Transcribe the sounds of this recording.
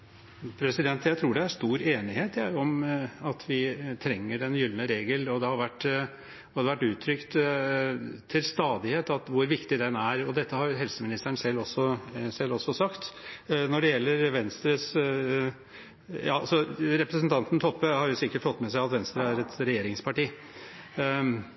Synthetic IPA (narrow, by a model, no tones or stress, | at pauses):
pʰɾɛsɪd̪ɛnt̪jæɪt̪ʰɾuːɖɛæʂt̪uːɾeːnɪheːt̪æɾjʊɔmɑt̪ʰʋɪt̪ʰɾɛŋːəɖɛnjʏlnəɾeːɡəlɔd̪ɛhɑɾʋæʈː | ɔd̪ɛʋæʈːʉːt̪ʰɾʏkt̪ | t̪ʰːɪlst̪ɑːd̪ɪheːt̪ɑt̪ʋʊɾʋɪkt̪ɪd̪ɛnæɾɔd̪ɛt̪ːəhɑɾjɦɛlsəmɪnɪst̪əɳsɛlːɔsːɔsɛlːɔsːɔsɑkt̪nɔɖɛjɛlːəɾʋɛnst̪ɾəs | jɑːsɔɾɛpɾəsnt̪ʰɑnt̪n̩t̪ʰɔpːəhɑɾjʊsɪkːəʈfɔt̪ːmɛsæɪɑt̪ʋɛnst̪ɾəæɾɛt̪ɾɛjeːɾɪŋspʰɑʈiː